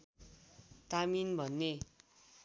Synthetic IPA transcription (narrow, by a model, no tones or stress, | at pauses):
t̪aminbʱʌnːe